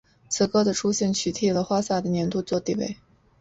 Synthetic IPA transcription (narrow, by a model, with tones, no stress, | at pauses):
t͡sʰɹ̩˧˥kɤ˥d̪ə˨ʈ͡ʂʰu˥ɕjɛ˥˩nt͡ɕʰy˧˥t̪ʰi˥˩lə˨˩xwa˥sa˥˩d̪ə˩njɛ˧˥nt̪u˥˧t͡swɔ˥˧t̪i˥˧wḛ˥˩ɪ